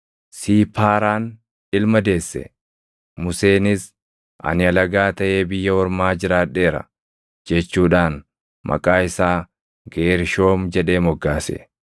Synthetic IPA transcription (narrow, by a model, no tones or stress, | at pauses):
siːpʰaːɾaːn | ɪlmɐd̪e̞ːsːɛ̰ | mʊse̞ːnɪs | ʔɐ̰nɪɐlɐɡaːt̪ɐʔe̞ːbɪjːɐwɔɾmaːd͡ʒɪɾaːᶑːe̞ːɾɐ̰ | d͡ʒɛt͡ʃːuːᶑaːn | mʔɐ̰kʼaːɪsaː | ɡeːɾʃo̞ːmd͡ʒɛᶑe̞ːmɔɡːaːsɛ̰